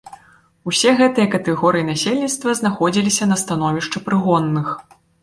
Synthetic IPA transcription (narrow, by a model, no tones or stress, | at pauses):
usʲɛɣɛt̪ɨjɐkɐt̪ɛɣɔɾɨjinasʲelʲnʲit̪st̪vɐznaxɔd͡zʲilʲisʲɐnɐst̪anɔvʲiʂt͡ʂɨpɾɨɣɔnːɨx